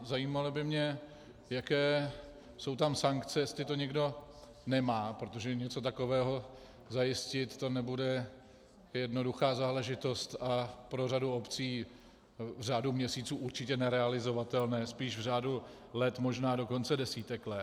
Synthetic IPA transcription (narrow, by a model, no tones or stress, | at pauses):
zajiːmalɔbɪmɲɛ | jakɛː | so̞wt̪amsaŋkt͡sɛjɛst̪lɪt̪o̞ɲɛɡdo̞ | nɛmaːpɾo̞t̪o̞ʒɛɲɛt͡so̞t̪ako̞vɛːɦo̞ | zajɪscɪt̪ːo̞nɛbudɛ | jɛdno̞duxaːzaːlɛʒɪt̪o̞st̪apɾo̞raduo̞pt͡siː | vr̝aːdumɲɛsiːt͡suːʔuɾt͡ʃɪcɛnɛɾɛalɪzo̞vat̪ɛlnɛːspiːʃvr̝aːdu | lɛt̪mo̞ʒnaːdo̞ko̞nt͡sɛdɛsiːt̪ɛklɛ